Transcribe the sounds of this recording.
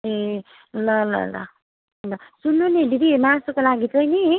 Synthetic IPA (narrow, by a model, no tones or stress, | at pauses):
e | lʌlʌ̰lʌ̰ | ɦʌjnʌsunːunedid̪imasokolaɡit͡sʌjni